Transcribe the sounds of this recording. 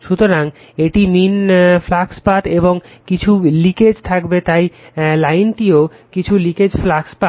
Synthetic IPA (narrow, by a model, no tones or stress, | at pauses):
ʃut̪oɾaŋ | eʈiminflakspaʈ̪eboŋkit͡ɕʰuliked͡ʑt̪ʰakbet̪ajlajnʈio | kit͡ɕʰuliked͡ʑflakspa